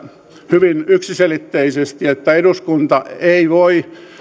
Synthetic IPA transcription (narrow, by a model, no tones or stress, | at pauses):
hyʋinyksiselit̪ːeisest̪iet̪ːæeduskunt̪ɑeiʋoi